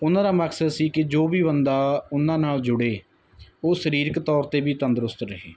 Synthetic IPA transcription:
ʊnãːd̪aːməkʰsəd̪siːkɪd͡ʒoːʋiːbənd̪aːʊnãːnaːld͡ʒʊɽeː | oːsəɾiːɾəkt̪ɔːɾt̪eːbiːt̪ənd̪əɾʊst̪ɾəɦḛː

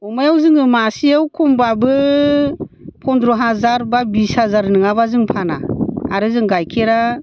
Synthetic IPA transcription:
ɔmajawzɯŋɯmasijawkʰumbabɯ | pʰɔndɾɔɦazaɾbabishazaɾnɯŋaβazɯŋpʰana̰a̰ɾɯzɯŋɡajkʰeɾa

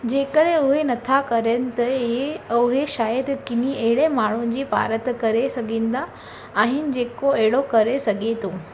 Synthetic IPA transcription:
d͡ʑekəɭeoɦenət̪ʰakəɾənt̪əeəɦeɕajəd̪kinieɭemaɭ̃oɲd͡ʑiːpa̰ɾət̪kəɾesəɡind̪aː | ɦind͡ʑekoeɽokəɾesəɡet̪o

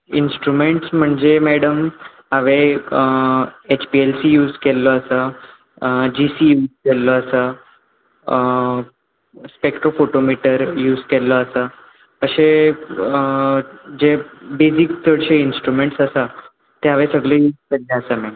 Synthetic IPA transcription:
insʈɾumeɳʈsm̤əɳd͡zemɛɽəm | ɦaʋe | et͡ɕpielsiːjuːd͡zkelːɔəsa | d͡ʑisiːjuːd͡zkɛlːɔəsa | spekʈɾofoʈomiʈəɾjuːd͡zkɛlːɔəsa | əɕe | d͡ʑebed͡ziksəɽɕeinsʈɾumeɳʈsəsa | t̪eɦaʋesəɡɭejuːd͡zkelːeəsamɛɖə

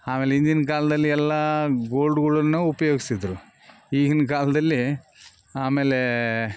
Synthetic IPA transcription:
aːmeːleind̪inɐkaːlɐd̪ɐlːiɛlːaːɡoːlɖuɡɐɭɐnːuupɐjoːɡisid̪ɾu | iːɡinɐk̬aːlɐd̪ɐlːi | aːmeːle

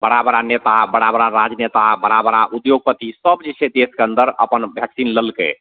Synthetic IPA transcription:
bəɽabəɾanet̪abəɽabəɾaɾad͡ʒnet̪abəɽabəɾaʔud̪joɡ̚pət̪isəbd͡ʒet͡ʃʰed̪eskeənd̪əɾə̰pənbʱjəksinləlkḛ

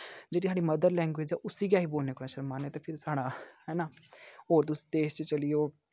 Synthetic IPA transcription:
d͡ʒeːɽiːsʰaːɽiːməd̪əɾlɛ̃ːŋɡʋeːd͡ʒɛːʔʊsiːɡjaːɦiːboːlneːkonãːʃəɾmaːnɛːt̪eːpʰɪɾsaːɽaːɦɛːnaːoːɾt̪̬ʊsi̥ːd̪eːʃt͡ʃət͡ʃəlɪjoː

